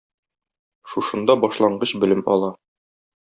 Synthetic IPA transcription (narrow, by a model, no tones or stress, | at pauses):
ʃuʃɤ̆nd̪ɑbɒʃlˠɑɴɢɤɕbɘ̆lɘmɒ̰lˠɑ